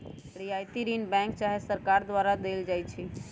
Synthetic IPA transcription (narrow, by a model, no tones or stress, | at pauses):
ɽijajt̪iɾinbɛ̃ŋk̚t͡ʃaɦesəɾkaɾd̪ʋaɾad̪eld͡ʒajt͡ʃʰi